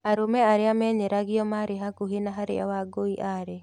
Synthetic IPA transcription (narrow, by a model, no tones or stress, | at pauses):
aɾomɛaɾeamɛːɲeɾaɣiɔmaɾeɦaɡuɦenaɦaɾḛa̰waɡoiʔaɾe